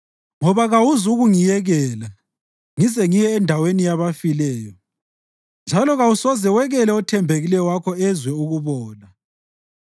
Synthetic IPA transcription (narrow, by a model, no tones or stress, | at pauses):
ŋɔβaɣawuzuɣuŋijɛɣɛːla | ŋizɛŋijɛndʱawenijaβafilɛːjɔ | nd͡ʒʱalɔɣawusɔzɛwɛɣɛlɛɔtʰɛmbʱeɣilɛjɔwakʰɔɛzwɛuɣuβɔːna